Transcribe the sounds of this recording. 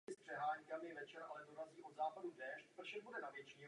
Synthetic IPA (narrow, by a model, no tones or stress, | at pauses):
ɪspr̥ɛɦaːɲkamɪɛvɛt͡ʃɛɾʔa̰lɛdoɾaziːʔo̞d̪zaːpadudɛːʃt̪pr̩ʃɛd̚budɛnavjɛt͡ʃiː